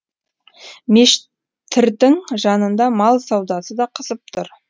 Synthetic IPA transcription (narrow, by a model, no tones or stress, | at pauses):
meʃ | t̪ʰːɪɾd̪ɪŋʒɑnənd̪ɑmɑlˠsɑwd̪ɑsəd̪ɑqʰəzəp̚t̪ʰʊɾ